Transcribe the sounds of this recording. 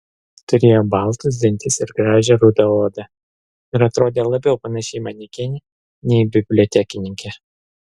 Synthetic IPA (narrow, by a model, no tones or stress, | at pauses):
t̪ʊɾʲeːjoːbɐˑlˠt̪ʊs̬d̪ʲɪnʲt̪ʲɪsɪɾɡɾɑːʒʲɛɾuːd̪ɐoːd̪ɐ | ɪɾɐt̪ɾoːd̪ʲeːlˠɐbʲɛʊpɐnɐʃʲɛɪmɐnʲɛkʲɛnʲɪ | nʲɛɪbʲɪbʲlʲɔt̪ʲækʲɪnʲɪŋʲkʲɛ